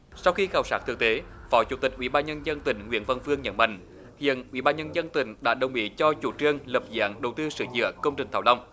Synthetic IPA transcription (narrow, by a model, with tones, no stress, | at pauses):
sa˧wxi˧xaː˨˩wsaː˦˥t̪ʰɨ˨˩ək̚t̪e˨˦fɔ˨˦t͡ɕṵ˧˥t̪ï˨˩k̟̚ʔwi˧˩ɓaː˧nɲə˧nzə˧nt̪ï˧˩ŋ̟ŋwḭ˧˥ənvə˨˧˩nfɨ˧əŋɲə̰˧˥nɓa̰˧˨ŋ̟ | hḭ˧˨ənʔwḭ˧˥ɓaː˧nɲə˧nzə˧nt̪ï˧˩˦ŋ̟ɗa̰ː˧˥ɗə˨˩wŋ͡mɓḭ˧˥t͡ɕɔ˧t͡ɕu˧˩t͡ɕɨ˧əŋlə˨˩p̚za̰ː˧˥˦ŋɗə˨˩wt̪ɨ˧sɨ̰˧˩˦zɨ̰˧˨əkə˧wŋ͡mt͡ɕï˨˩ŋ̟t̪ʰaː˧˩wla˧wŋ͡m